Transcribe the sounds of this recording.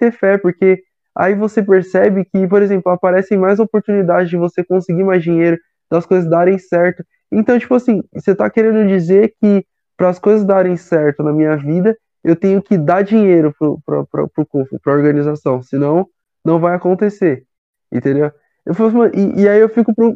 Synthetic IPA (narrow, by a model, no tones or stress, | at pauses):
sefɛɾpoɾke | a̰ivosepeɾsɛbɪkɪp̬oɾezẽmplʊapaɾɛsẽj̃majzopoɾt̪unid̪ad͡ʒɪzd͡ʒɪvosekõsɪɡiɾmajzd͡ʒiɲejɾʊ | d̪ɐskojzɐzd̪aɾẽj̃sɛɾt̪ʊ | ẽt̪ɐ̃w̃t͡ʃi̥pʊasĩset̪akeɾẽnd̪ʊd͡ʒizeɾkɪ | pɾɐːskojzɐzd̪aɾẽj̃sɛɾt̪ʊnɐmĩɲɐvid̪ɐ | ewt̪ẽɲʊkɪd̪aɾd͡ʒiɲejɾʊpɾʊpɾɐ̰pɾɐ̰pɾʊkõfʊ̰pɾɐoɾɡɐnizasɐ̃w̃sɪnɐ̃w̃ | nɐ̃w̃vajakõnt̪ese | ḛ̃t̪ẽd̪ew | ewfalsmɐ̃ʔɪʔɪaiewfikʊpɾʊ